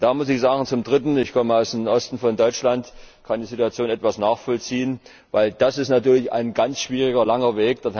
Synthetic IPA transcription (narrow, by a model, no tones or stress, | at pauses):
d̥aːmʊsɪçz̥aːɡŋ̩t͡sʊmdʁɪtn̩ɪçkʰɔməaʊsd̥emʔɔstn̩fɔndɔʏt͡ʃlantkʰandiːzituat͡sjoːnɛtv̥asnaːχfɔlt͡siːən | vaɪld̥asɪstnatyːɐlɪça̰ɪnɡant͡sʃv̥iːʁ̞ɪɡɐlaŋɐveːk̚d̥eɐ